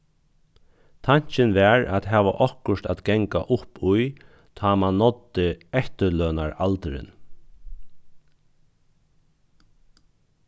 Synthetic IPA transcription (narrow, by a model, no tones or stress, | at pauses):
t̪ʰaɲ̥t͡ʃɪnʋɛːɹæ̰t̪ɦæːʋa̰ʔɔhkʊʂt̪æt̪ɡɛŋka̰ʔʊpʊj | t̪ʰɑːmanːɔt̪ːɪɛht̪əlœːnaɹalt̪əɾɪ̰n